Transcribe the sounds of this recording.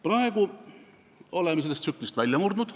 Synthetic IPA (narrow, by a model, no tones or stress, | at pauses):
prɑeɡ̥u | o̞lemːeselːest̪sykːnist̪vælʲjɑmurd̪nud̪̥